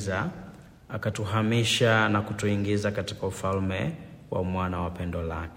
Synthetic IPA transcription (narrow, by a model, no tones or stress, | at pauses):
za | akatuɦamiʃanakutuiŋɡizakati̥kaufalmɛwa̰mwanawapɛndɔlakɛ